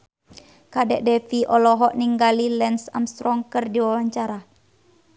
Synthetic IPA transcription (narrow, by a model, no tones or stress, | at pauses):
kadɛʔdɛfiʔɔlɔɦɔʔniŋɡalilɛnsa̰mst̪ɾɔŋkərdiwawaɲt͡ʃaɾa